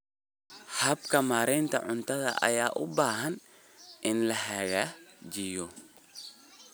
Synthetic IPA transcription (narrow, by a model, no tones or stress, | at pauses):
ħɐbkʰɐmaːɾɛnt̪ʰɐ̰ʕʊnt̪ʰɐðɐ̰ʔɐ̰jaːʔʊbaːɦɐn | ʔɪnlɐhɐːɣaːd͡ʒɪjɔ